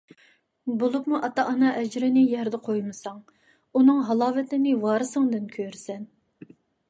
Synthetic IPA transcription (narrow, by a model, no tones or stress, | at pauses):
bolˠupmuʔɑt̪ɑʔɑnɑʔɛd͡ʒɾɪnɪjɛɾd̪ɛqʰojmɨsɑŋ | unɨŋɦɑlˠɑːvɪt̪ʰɪnɪwɑːɾɨsɨŋd̪ɨnkʲʰøɾsɛn